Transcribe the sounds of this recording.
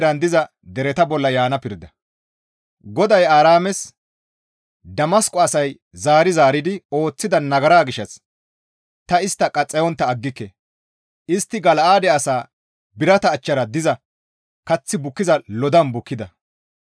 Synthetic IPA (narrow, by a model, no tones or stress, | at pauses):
ɾɐnd̪ɪzɐ | d̪ɛɾɛt̪ɐbɔlːɐjaːnɐpɪɾd̪ɐ | ɡɔd̪ɐjaːɾaːmɛs | d̪ɐmɐskʼɔɐsɐj | zaːɾɪzaːɾɪd̪ɪo̞ːt͡sːɪd̪ɐnɐɡɐɾaːɡɪʃɐs | t̪ɐɪst̪ːɐkʼɐt͡sʼːɛjɔnt̪ːɐːɡːɪkːɛ | ʔɪst̪ːɪɡɐlʔaːd̪ɛɐsaː | bɪɾɐt̪ɐːt͡ʃːɐɾɐd̪ɪzɐ | kɐt͡sːɪbʊkːɪzɐlɔd̪ɐmbʊkːɪd̪ɐ